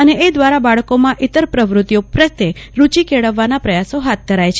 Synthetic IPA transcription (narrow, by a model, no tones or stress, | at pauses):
əneʔːd̪ʋaɾabaɭkomãʔɪt̪əɾpɾəʋɾut̪ijopɾət̪ːeɾut͡ʃikeɭəʋːanapɾəjasoɦat̪̚d̪ʱəɾajt͡ʃʰ